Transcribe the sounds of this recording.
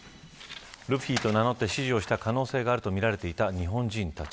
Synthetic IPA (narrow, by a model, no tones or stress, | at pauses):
ɾɯ̟p̟çʲiːt̪o̞nano̞t̪ːe̞ɕiʑio̞ːɕi̥t̪akano̞ːse̞ːɡaːɾɯ̟t̪o̞mʲiɾaɾe̞t̪e̞it̪aɲ̟iɦõ̞ɲd͡ʑĩnt̪at͡ɕi